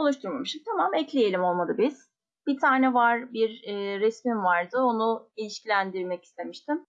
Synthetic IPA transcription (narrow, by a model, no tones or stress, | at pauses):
o̞lˠuʃt̪ʰuɾmamɯʃt̪ɯmt̪ʰamamɛclʲijelʲimo̞lˠmad̪ˠɯbiz̥ | b̥it̪ʰaːnɛvaɾbiɾːɛsmimvaɾd̪ɯo̞nuilʲiʃcilʲænd̪iɾmɛci̥st̪ʰe̞miʃt̪ʰɪm